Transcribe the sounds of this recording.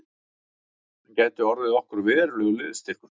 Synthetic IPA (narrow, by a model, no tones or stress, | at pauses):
caːjt̪ʏɔɾðɪɔhkʏɾvɛːɾlœɣlʏðst̪ɪɾ̥kʏɾ